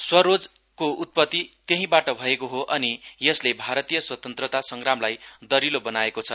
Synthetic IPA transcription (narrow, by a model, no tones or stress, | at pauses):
swʌɾod͡z | kout̪̚pʌt̪ːit̪jʌɦĩbaʈʌbʱʌekoɦoʔʌnijʌslebʱaɾʌt̪ijʌswʌt̪ʌnt̪rʌt̪asʌŋɡramlajd̪ʌɾilobʌnaekot͡sʰʌ